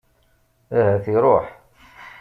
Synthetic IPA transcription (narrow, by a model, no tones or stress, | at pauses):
æhæθiɾˤoħ